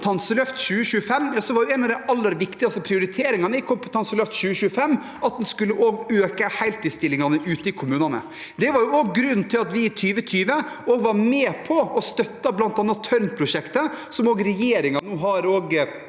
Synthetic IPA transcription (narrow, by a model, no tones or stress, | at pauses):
t̪ʰɑnsəlœft̪ɕʉːəɕʉːəfɛmːjsɔʋɑɾjʊɛnɑʋd̪ɛɪʔɑlːəɾʋɪkt̪ɪɑst̪əpʰɾɪʊɾɪt̪ʰeːɾɪŋɑnəɪkʰʊmpət̪ʰɑnsəlœft̪ɕʉːəɕʉːəfɛmː | ʔɑt̪̚d̪ɛnskʉlːəʔoːɡøːkəhæɪlt̪ʰɪlst̪ɪlːɪŋɑnəʔʉːt̪əɪkʰʊmʉːnɑnə̰ | d̪ɛʋɑɾjʊoːɡɡɾʉnːt̪ʰɪlɑt̪ʋɪːt̪ʰyːʋət̪ʰyːʋəoːɡʋɑɾmeːpʰɔɔst̪œt̪ːɑblɑnt̪ɑːnːɑt̪ʰœɾmpʰɾʊʂɛkt̪əsɔmoːɡɾɛjeːɾɪŋɑnuːɦɑɾoːɡ